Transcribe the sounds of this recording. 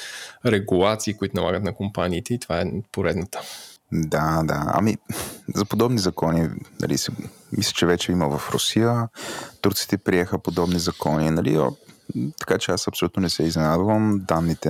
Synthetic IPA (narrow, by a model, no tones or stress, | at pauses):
ɾɛɡulˠat̪siːkʊit̪ʊnɐlˠa̰ɡət̪nɐkompaniːt̪ɛit̪ovaɛpoɾɛd̪nət̪ə̥d̪ad̪a̰a̰mizɐpod̪ɔbnizɐkɔninɐ̰lḭsɛmislʲə̥t͡ʃɛvɛt͡ʃɛiməvɐfɾo̰sijət̪uɾt̪si̥t̪ɛpɾiɛxəpod̪ɔbnizɐkɔninɐlḭo̰t̪ɐ̥kat͡ʃɛasɐpsolʲut̪nonɛsɛiznɛnad̪vəmd̪anːit̪ɛ